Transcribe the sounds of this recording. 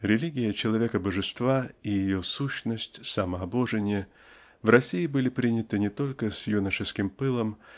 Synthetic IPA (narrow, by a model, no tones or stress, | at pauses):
ɾʲɪlʲiɡʲɪjət͡ɕɪlˠɐvʲe̞kəbəʐɨst̪vaijɪjo̞suɕnəsʲtʲsaməɐbo̞ʐɨnʲɪjə | vrɐsʲijɪbɨlʲɪpɾʲinʲɪt̪ɨnʲɪt̪o̞lʲkəsʲjunəʂɨskʲɪmpɨlˠəm